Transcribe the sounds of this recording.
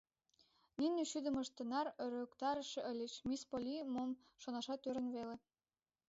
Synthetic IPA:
ninʲeʃyd̪ə̆məʃt̪ə̆nɑrøɾøkt̪ɑɾə̆ʃĕʔəlʲət͡ɕmispolʲimom | ʃonɑʃɑt̪øɾə̆nβele

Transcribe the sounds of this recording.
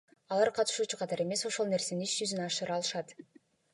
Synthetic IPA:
ɑlˠɑɾqʰɑt̪ɯ̥ʃuːt͡ʃuqʰɑt̪ɑɾe̞me̞so̞ʃo̞lˠne̞ɾse̞ninit͡ʃd͡ʒyzyneɑʃɯɾɑlˠɯʃɑt̪

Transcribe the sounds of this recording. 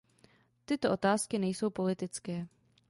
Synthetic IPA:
t̪ɪt̪oʔo̞t̪aːskɪnɛjso̞wpo̞lɪt̪ɪt͡skɛː

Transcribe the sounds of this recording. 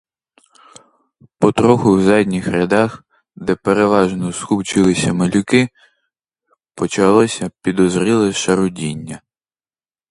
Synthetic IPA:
pɔt̪ɾɔxʊwzɑdʲnʲixɾʲɐd̪ɑx | d̪ɛpeɾeʋɑʒnɔskuwt͡ʃɪlˠɪsʲɐmɐlʲʊkɪ | pɔt͡ʃɐlˠɔsʲɐpʲid̪ɔzɾʲilˠɪʃɐɾʊdʲinʲːɐ

